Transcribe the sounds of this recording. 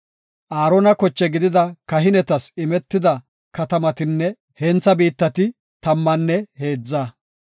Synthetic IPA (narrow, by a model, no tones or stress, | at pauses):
ʔaːɾonɐkɔt͡ʃːɛɡɪd̪ɪd̪ɐkɐɦɪnɛt̪ɐsɪmɛt̪ːɪd̪ɐ | kɐt̪ɐmɐt̪ɪnːɛ | hɛnt͡sːɐbiːt̪ːɐt̪ɪ | t̪ɐmːɐnːɛhe̞ːd͡zːaː